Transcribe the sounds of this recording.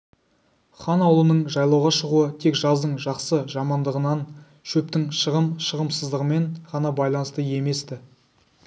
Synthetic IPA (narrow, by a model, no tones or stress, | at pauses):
χɑnɑwlˠənəɴʒɑjlˠɑwʁɑʃəʁuət̪ʰe̞kʒɑzd̪əɴʒɑqsəʒɑmɑnd̪əʁənɑn | ʃɵp̚t̪ɪŋʃəʁəmʃəʁəmsəzd̪əʁəme̞nʁɑnɑbɑjlˠɑnəst̪əje̞me̞st̪ɪ